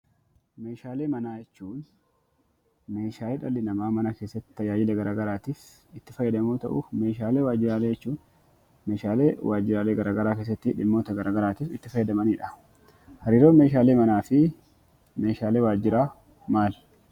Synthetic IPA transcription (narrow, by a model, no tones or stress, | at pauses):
me̞ːʃaːleːmɐnaːjɛt͡ʃːuːn | me̞ːʃaːɛᶑɐlːɪnɐmaːmɐnɐke̞ːsːɐt̪ːɪ̥t̪ɐjaːd͡ʒɪlɛɡɐɾaːɡɐɾaːt̪iːf | ɪt̪ːɪfɐjɐd̪ɐmoːt̪ɐ̰ʔʊ̰me̞ːʃaːleːwaːd͡ʒɪɾaːleːd͡ʒɛt͡ʃːuːn | me̞ːʃaːleːwʔaːd͡ʒːɪɾaːleːɡɐɾʔaːɡɐɾaːkeːs̬ːɐt̪ːɪᶑɪmːoːt̪ɐɡɐɾʔaːɡɐɾaːt̪iːfɪt̪ːɪfɐjːɐd̪ɐmɐniːᶑɐ | hɐɾiːɾoːnmeːʃ̬aːle̞ːmɐnaːfɪ | me̞ːʃaːleːwaːd͡ʒːɪɾaː | maːl